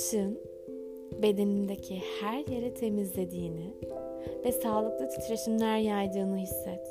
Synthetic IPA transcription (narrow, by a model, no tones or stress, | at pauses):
ʃɯn | be̞d̪e̞nind̪ecʰihæɾje̞ɾɛt̪ʰe̞mizlʲe̞d̪iːnɪ | vɛsaːlˠɯk̚lˠat̪ʰy̥t̪ʰɾe̞ʃimlʲæɾjajd̪ɯːnɯhisːɛt̪